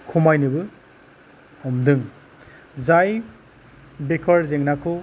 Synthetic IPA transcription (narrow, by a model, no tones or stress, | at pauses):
kʰumajnɯbɯ | ɔmdɯŋ | zaj | bekʰɔɾzeŋnakʰɯ